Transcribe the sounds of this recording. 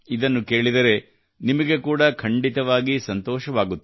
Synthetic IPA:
id̪ɐnːuke̞ːɭid̪ɐɾe̞ | nimɐɡe̞kuːɽɐkʰɐɳɖit̪ɐʋaːɡisɐnt̪ɔːʃɐʋaːɡut̪ːe

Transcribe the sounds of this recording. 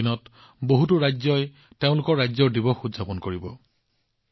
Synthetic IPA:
inɔt | boɦutʊɹajzɔj | teʊ̃lʊkɔɹːajzɔɹdibɔxudzapɔnkoɹibɔ

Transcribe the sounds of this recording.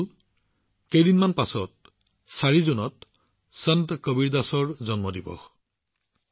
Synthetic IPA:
l | kejdinmanpasɔt̚ | saɹizunɔt | santkobiɹdasɔɹzɔnmɔdibɔ̰x

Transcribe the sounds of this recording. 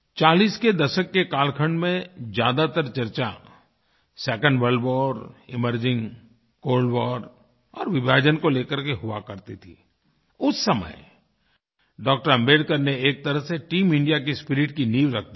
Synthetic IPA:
t͡ʃaːliːsked̪ɐʃəkːekaːlkʰə̃ɳɖmẽd͡ʒjaːd̪at̪əɾt͡ʃɐɾt͡ʃa̰ | sɛːkə̃ɳɖʋəɾlbɔːɾɪməɾd͡ʒɪ̃ŋɡ | koːlɖbɔːɖ | ɔ̰ːɾʋɪbʱaːd͡ʒənkoleːkəɾkeɦʊa̰kɐɾt̪it̪ʰḭː | ʊsːɐmə̰j | ɖɔːk̚ʈəɾmeːɖkəɾneeːk̚t̪ɐɾəɦseʈiːmɪ̃ɳɖijak̬ispɪɾɪʈkiniːʋɾɐk̚ʰd̪i

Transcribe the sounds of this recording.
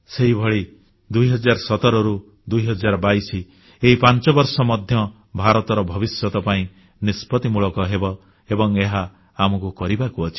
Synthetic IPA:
seɦibʱɔɭi | d̪ujɦɔd͡ʒaɾsɔt̪ɔɾɔɾu | d̪ujɦɔd͡ʒaɾɔbaisi | eɦipant͡ʃɔbɔɾsɔmɔd̪ʱjɔ | bʱaɾɔt̪ɔɾɔbʱɔbisjɔt̪ɔpaĩ | nispɔt̪imuɭɔkɔɦebɔ | ebɔŋeɦa | amɔkukɔɾibakuɔt͡ʃʰi̥

